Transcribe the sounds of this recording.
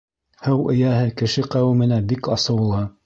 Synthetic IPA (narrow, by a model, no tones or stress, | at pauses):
hɘwʔɘ̆jæɦɘkɘ̆ʃɘqæwɘ̆mɘ̆næbikɑsɤ̆wlˠɤ